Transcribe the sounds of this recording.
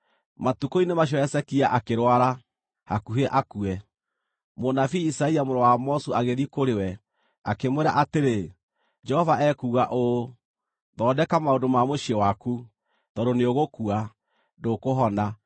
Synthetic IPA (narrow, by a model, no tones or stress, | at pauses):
matukoinemaɕ̬ɔɛsɛkiaʔakeɾwaɾa | hakuɦeʔakuɛ | monafiisaɛiamoɾɔwamɔsuaɣeðikoɾewɛ | akemweɾa̰ʔateɾe | d͡ʒɛhɔvaʔɛkuːɣaʔo | ðɔdɛkamaondomamoʃiewaku | ðɔɾoneoɣokua | dokoɦɔna